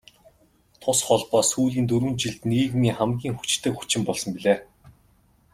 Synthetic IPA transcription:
t̪ʰʊsχɔɮpɔːsuːɮiːnt̪̬ɵɾwɘ̆nt͡ɕiɮt̪niɣiːɣmiːŋχæmɡʲiːŋxu̥t͡ɕt̪ʰĕːkxu̥t͡ɕɪ̆mpɔɮsɞ̆mpiɮeː

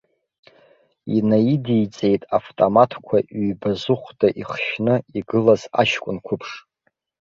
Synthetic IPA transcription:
ḭnaidijt͡sʼe̞jtʼaftʼomatʰkʷʰaʔɥbazʊχʷdaʔiχʃnɨiɡɨlaza̰ʃkʷʼʊnkʷʰʊpʰʂ

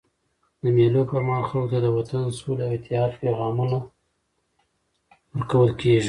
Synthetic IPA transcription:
d̪əmjelopamɑxawk̚t̪ad̪əwat̪ansulawɪt̪ɪhɑd̪peɣɑmuna | wəɾkawəlkeʒi

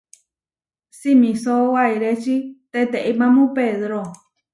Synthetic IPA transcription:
simĩsowaiɾet͡ʃit̪et̪eʔimãmũpeðɾo

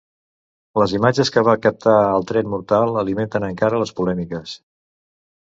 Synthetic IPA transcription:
ləzimad͡ʒəskəβakəp̚t̪aəlˠt̪ɾɛnmuɾt̪alˠəliment̪ənəŋkaɾələspulɛmikəs

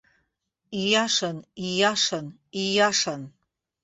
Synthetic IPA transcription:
ijaʂanijaʂan | ijaʂan

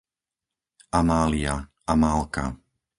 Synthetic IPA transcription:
ʔamaːlia | amaːlka̰

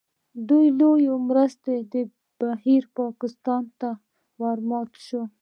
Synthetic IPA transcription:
d̪ujlojomɾəst̪ed̪ə | b̥ahiɾpɑkɪst̪ɑnt̪a | waɾmɑt̪ʃo

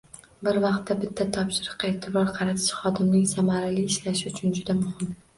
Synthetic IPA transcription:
bɪɾvɑqt̪ʰːabɪt̪ʰːat̪ʰɒpʃɪɾɨqeːt̪ʰɪbɾɒɾqʰɑɾat̪ʰɪ̥ʃχɒd̪ɪmnɪŋsamaɾalɪːʃlaʃɪʊt͡ʃʰʊnd͡ʒʊd̪amʊhɪm

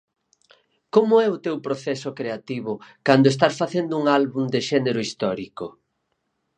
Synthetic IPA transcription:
komʊɛʊt̪ewpɾoθɛsʊkɾeat̪iβʊkand̪oes̬t̪asfaθend̪ʊuŋalβuŋd̪eʃɛneɾʊist̪ɔɾikʊ

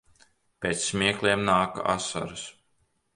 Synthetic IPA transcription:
pʲeːt̪sːmʲiɛklˠiɛmnaːka̰ʔasa̰ɾɨs

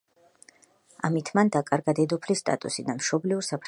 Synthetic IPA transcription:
amit̪ʰmand̪akʼaɾɡad̪ɛd̪ɔpʰlist̪ʼa̰t̪ʼṵsid̪amʃɔbliuɾsapʰ

